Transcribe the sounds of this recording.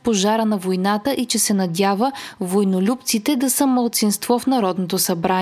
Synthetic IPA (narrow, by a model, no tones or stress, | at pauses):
poʒaɾənɐvojnat̪əʔit͡ʃɛsɛnɐd̪ʲjavəvojnolʲup̚t̪sit̪ɛd̪ɐsəmɐlˠt̪sinst̪vɔfnɐɾɔd̪not̪osɐbɾan